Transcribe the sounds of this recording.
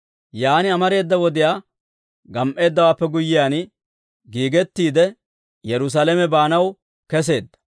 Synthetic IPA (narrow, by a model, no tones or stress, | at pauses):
jaːnɪɐmɐɾe̞ːd̪ːɐwɔd̪ɪjaː | ɡɐmʔe̞ːd̪ːɐwaːpːɛɡʊjːɪjaːn | ɡiːɡɛt̪ːiːd̪ɛ | jɛɾʊs̬alɛmɛbaːnɐw | kɛs̬e̞ːd̪ːɐ̥